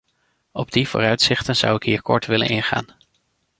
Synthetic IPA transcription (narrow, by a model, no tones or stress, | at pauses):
ɔbdiv̥ʊ̰ːrœɥtsɪχtənz̥ʌ̰wɪkɦiːɹkɔ̰ɹtʋɪlə̰nɪnχa̰ːn